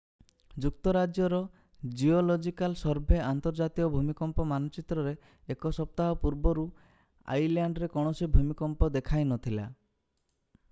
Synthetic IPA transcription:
d͡ʒuk̚t̪ɔɾad͡ʒjɔɾɔ | d͡ʒiolɔd͡ʒikalsɔɾbʱeant̪ɔɾd͡ʒat̪ikɔbʱumikɔmpɔmanɔt͡ʃit̪ɾɔɾe | ekɔsɔp̚t̪aɦɔpuɾbɔɾu | a̰jljaɳɖɾekɔɽ̃ɔsibʱumikɔmpɔd̪ekʰajnɔt̪ʰila

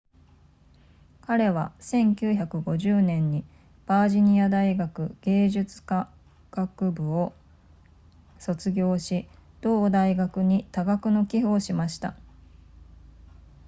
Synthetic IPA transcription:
kaɾe̞βasẽ̞ŋkʲɨːçakɯ̟ɡo̞ʑɨːnẽ̞ɲ̟ːi | b̥aːʑiɲ̟iad̪aiɡakɯ̟̰ɡ̥e̞ːʑɨt͡sɨ̥ka | ɡ̥akɯ̟bɯ̟o̞ | so̞t͡sɨɡʲo̞ːɕid̪̥o̞ːd̪aiɡakɯ̟ɲ̟it̪aɡakɯ̟no̞kʲiɸɯːɕimaɕi̥t̪a̰

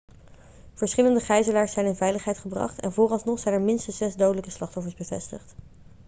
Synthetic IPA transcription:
v̥əɹsχɪləndəχɛjzəlaːɹsɛjnɪnvɛjləχɦɛjtχəbrɑ̰χtɛ̰nvʊːrɑlˠsnɔχsɛjnɛɹmɪnstəsz̥ɛzdowdələkəslɑχtɔfəɹzbəvɛ̰stə̰χt

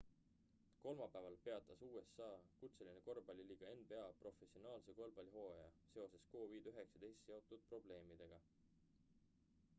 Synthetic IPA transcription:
ko̞lmɑpːˑævɑlpe̞ɑt̪ːˑɑsuːe̞sɑːkut̪se̞lineko̞rbɑlʲiliːɡ̥ɑenbe̞ɑpro̞fe̞sio̞nɑːlsekolb̥ɑlʲiɦo̞ːjɑse̞o̞se̞sko̞ːviːd̪̥yɦe̞ksɑd̪̥e̞jst̪ːjeo̞t̪ːˑud̪̥̚pro̞b̥le̞ːmid̪̥e̞ɡ̥ɑ

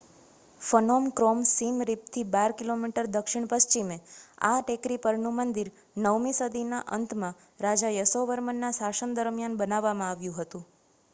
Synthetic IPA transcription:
fənomkɾɔmsimɾip̚t̪ʰibaɾkilomiʈəɾd̪əkʃɪɳpəst͡ʃimea̰ʈekɾipəɾnũmənd̪iɾ | nəʋmisəd̪ʱinaʔə̰nt̪ʰmã | ɾad͡ʒajəsoʋəɾmənːasasənd̪əɾmjanbənaʋːamãaʋjũɦət̪ũ

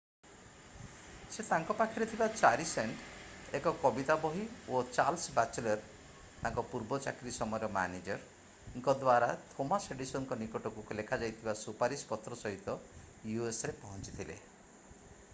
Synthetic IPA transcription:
set̪aŋkɔpakʰiɾet̪ʰibat͡ʃaɾiseɳʈekɔkɔbit̪abɔɦiot͡ʃalsbat͡ʃelɔɾ | t̪aŋkɔpuɾbɔt͡ʃa̰kɾisɔmɔjɔɾɔma̰ned͡ʒɔɾ | ŋkɔd̪waɾat̪ʰomaseɖisɔnkɔnikɔʈɔkulekʰad͡ʒajt̪ʰibasupaɾispɔt̪ɾɔsɔɦit̪ɔ | juesɔɾepɔɦɔnt͡ʃi̥t̪ʰilḛ

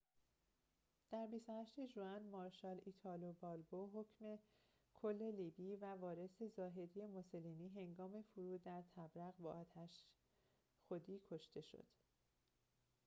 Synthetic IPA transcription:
d̪̥æɾbist̪ohæʃt̪e̞ʒuænmɒːɾʃɒːlit̪ʰɒlobɒːlboɦo̞cme̞ | kʰo̞lːe̞liːbiːvævɒːɾe̞sezɒːɦe̞d̪ije̞mosoliːniːɦeŋɡɒːme̞fuɾuːd̪æɾt̪ʰæbɾæɣbɒːɒːt̪ʰæʃ | xod̪iːkʰo̞ʃt̪e̞ʃo̰d̪̥

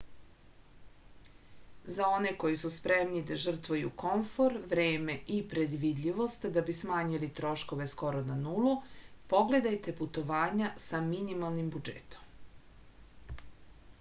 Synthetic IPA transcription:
zao̞neko̞jisuspɾemnid̪aʒr̩t̪ʋajṵko̞ɱfo̞ɾʋɾeːme̞ʔipɾed̪ʋid̪ʎʲiʋo̞st̪d̪abismaːɲilit̪ɾo̞ʃko̞ʋe̞sko̞ɾonanulˠupo̞ɡle̞d̪ajt̪e̞put̪o̞ʋaːɲasaminimalˠnimbud͡ʒḛt̪o̥m

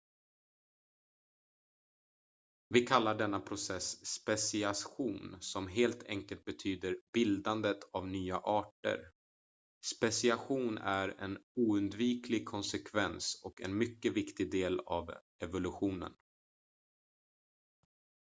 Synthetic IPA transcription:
vɪkʰalːaɖɛnːapʰɾʊsɛsːpɛsɪaɧuːnsɔmɦeːlt̪ʰɛŋkəlt̪̚bɛt̪ʰyːd̪əɾbɪld̪and̪ət̪ʰavnyːaʔɑːʈə̰ɾ | spɛsɪaɧuːnæɾɛ̰nuːɵnd̪viːkʰlɪɡ̚kʰɔnsɛkʰvɛnsɔkɛ̰nmʏkːəvɪkt̪ɪɡ̚d̪eːla̰v | ɛvʊlɵɧuːnə̰n

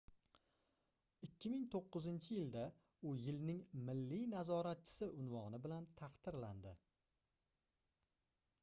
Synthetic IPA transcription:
ɪkʲːɪmɪŋt̪ʰoqːɨzɪnt͡ʃʰɪjɪld̪a | ʊjɪlnɪŋmɪlːijnazɒɾat̪̚t͡ʃʰɪ̥sɪʔʊnvɒnɪbɪlant̪ʰɑqt̪ɪɾland̪ɪ

